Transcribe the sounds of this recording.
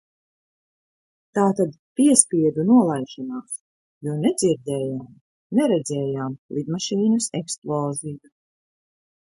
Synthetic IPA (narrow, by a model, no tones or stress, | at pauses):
t̪aːt̪ad̪ | piɛspiɛd̪unuɔlˠajʒanaːs | juɔnɛd̪ziɾd̪ɛːjaːm | nɛɾɛd̪zɛːjaːmlˠid̪maʃiːnusɛksplˠɔːziju